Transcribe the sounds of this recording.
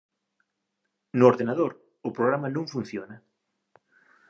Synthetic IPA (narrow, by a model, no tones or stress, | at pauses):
nʊoɾðenaðoɾ | ʊpɾoɣɾamɐnõŋfun̟θjonɐ